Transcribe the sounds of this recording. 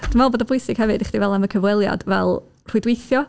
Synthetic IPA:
d̥ɪmvɛboːdəbʊjsɪɡ̥hɛvɨdɪχd̥ivɛlˠaməkʰəvwɛlˠja̰d̥vɛlˠ | r̥ʊjdwejθjɔ

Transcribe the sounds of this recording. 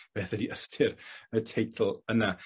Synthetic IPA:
b̥eːθədiʔəstʰɪɾətʰejtʰl̩ˠəna

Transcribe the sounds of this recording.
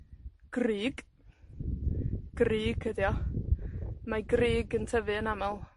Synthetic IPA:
ɡ̥riːɡ̥ | ɡ̥riːɡ̥həðjɔ | maɡriːɡəntʰəvɨənamalˠ

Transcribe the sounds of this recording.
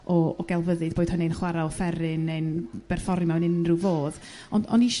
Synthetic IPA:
ɔɔɡ̥ɛlˠvəðɨðb̥oːd̥ʊnejnχwaɾaɔfɛɾɨnːejnb̥ɛrfɔɾmawnɪnruvoːð | ɔnɔniʃ

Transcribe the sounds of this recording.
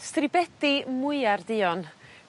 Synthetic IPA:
strɪbɛd̥imʊɨardɪːɔn

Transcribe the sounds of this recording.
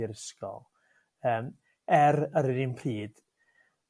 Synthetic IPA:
ɪɾskɔ̰lˠ | əːm | ɛɾəɾɪninpʰriːd̥

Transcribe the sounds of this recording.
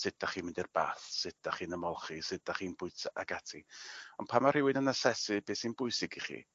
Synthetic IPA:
sɪdaχiːmɪndirb̥a̰ːθsɪdaχiːnəmɔlˠχisɪdaχiːnbʊɨtʰaʔaɡatʰiɔnpʰamar̥ɪwɪnənasɛsɪbeːsinbʊɨsɪɡiχḭ

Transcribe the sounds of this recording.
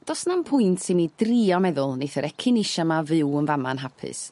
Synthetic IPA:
d̥ɔsnampʰʊjntʰsimidriːɔmɛðʊlˠnejθəɾɛkʰɪnɪʃamavɨwənvamanɦapʰɨ̰s

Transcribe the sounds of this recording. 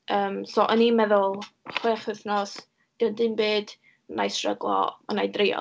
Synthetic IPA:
əːmsoʔənimɛðʊlˠχweːχəθnɔs | d̥əndɨnbeːd̥ | najsrəɡlˠɔ̰ɔnajdrɪjɔ̰

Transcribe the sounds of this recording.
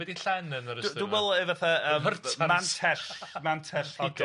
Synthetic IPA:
wɛdiɬɛnənəɾə̥duwɛlˠɛvaθaəːərmːantʰɛɬmantʰɛɬhiɡ

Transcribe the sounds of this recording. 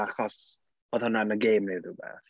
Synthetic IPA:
aχɔs | oðhɔnanəɡejmneðubɛ̰ːθ

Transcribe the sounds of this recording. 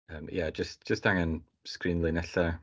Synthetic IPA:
əːmjad͡ʒəst̚ʒ̥əstaŋən | skriːnlˠɪnɛɬa

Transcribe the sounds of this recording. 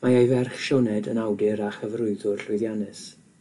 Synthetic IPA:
maajvɛrχʃɔnɛdənawdɨɾaχəvrʊɨðʊrɬʊɨðjanɨs

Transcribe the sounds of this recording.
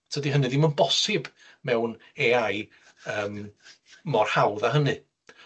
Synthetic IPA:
tʰədiɦənɨðɪmənbɔsɪb | mɛwn | eaj | əːmː | ɔrhawðaɦənɨ

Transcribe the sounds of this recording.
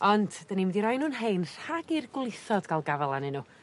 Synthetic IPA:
ɔndd̥ənimɛdiɾɔjnuːnɦejnr̥haɡirɡlˠɪθɔdɡalˠɡavɛlˠanɪnuː

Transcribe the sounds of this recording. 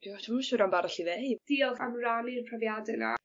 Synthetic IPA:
iɔtʰusʊɾambaɾaɬiðejd̥iɔlˠamranirpʰravjadɛna̰

